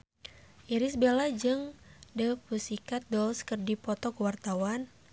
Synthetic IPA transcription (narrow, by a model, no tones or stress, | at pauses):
ʔiɾisbelad͡ʒɨŋdəpusikat̪̚dɔlskɨrdipɔt̪ɔkəwart̪awan